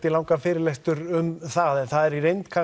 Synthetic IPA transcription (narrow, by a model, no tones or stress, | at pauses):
t̪ɪlaːwŋkafɪːɾɪlest̪ʏɾʏmθaðɛnθaðɛɾiɾejnt̪kʰa